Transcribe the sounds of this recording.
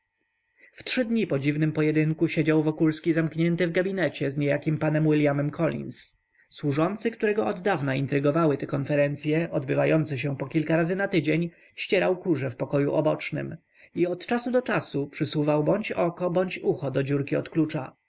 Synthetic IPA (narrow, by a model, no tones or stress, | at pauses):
ftʂɘd̪ɲipɔd͡ʑivnɘmpɔjɛd̪ɘŋkuɕed͡ʑawvɔkulskʲizamkɲɛnt̪ɘvɡabʲinɛt͡ɕɛzɲejakʲimpanɛmwɘlʲjamɛmkʰɔlʲḭns | swuʐɔnt̪sɘkt̪uɾɛɡɔɔd̪ːavnaint̪ɾɘɡɔvawɘt̪ɛkɔnfɛɾɛnt̪sʲjɛʔɔd̪bɘvajɔnt̪sɛɕ̬ɛpɔkʲilkaɾazɘnat̪ɘd͡ʑeɲ | ɕt͡ɕɛɾawkuʐɛfpɔkɔjṵʔɔbɔt͡ʂnɘ̰m | iɔt̪t͡ʂasud̪ɔt͡ʂasupʂɘsuvawbɔɲt͡ɕɔkɔbɔɲt͡ɕuxɔd̪ɔd͡ʑuɾkʲiɔ̰t̪klut͡ʂa̰